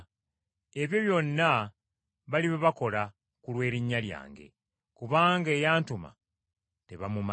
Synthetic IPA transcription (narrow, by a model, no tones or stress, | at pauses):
e̞βjo̞βjo̞nːa | βaliβeβako̞la | kulwe̞ːɾiɲːalja̰ːŋɡe̞̰ | kuβaːŋɡeːjaːntuma̰ | te̞βamuma